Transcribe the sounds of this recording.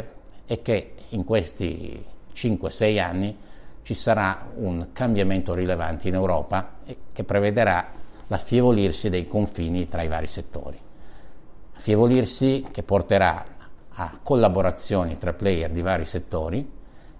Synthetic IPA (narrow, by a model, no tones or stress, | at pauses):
ɛkːeiŋkwest̪ḭt͡ʃiŋkwesɛjanːit͡ʃisaɾauŋkambjament̪oɾilevant̪iinewɾɔːpakepːɾeved̪eɾalafjevolirsid̪ejkoɱfiːnit̪ɾaiva̰ːɾiset̪ːo̰ːɾi | afjevolirsik̟epːort̪eɾa̰akːolːaboɾat̪sːjoːnit̪ɾaplɛjɛrd̪ivaːɾiset̪ːoːɾi